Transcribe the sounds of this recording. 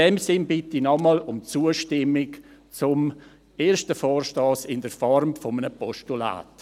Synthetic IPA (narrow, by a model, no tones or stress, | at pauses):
ɛmsɪnbɪtinɔmɔlʊmt͡suəʃtɪmɪkt͡sʊm | eːɾʃtəfɔːrʃtɔːsɪndəɾfɔrmfɔmənəpɔʃtula̰ːt